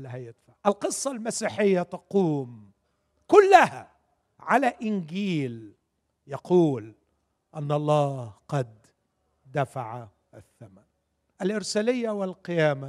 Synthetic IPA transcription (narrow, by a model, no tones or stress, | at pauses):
lɦajɪd̪faʕʔalqɨsˤːɑlmasiːħɪjːat̪ɑquːm | kʊlːɪha̰ | ʕalaʔɪnɡiːl | jɑquːl | ʔanːʔɑlˤːɑːhqɑd̪ | d̪afaʕa | ʔaθːaman | ʔalʔɪɾsalɪjːawɪlqɪjaːma